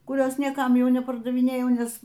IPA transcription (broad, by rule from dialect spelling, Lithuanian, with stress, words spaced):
kʊˈrʲoːs nʲiɛˈkɐm ˈjɛʊ nʲɛpɐrdɐʋʲɪˈnʲeːjɛʊ ˈnʲɛs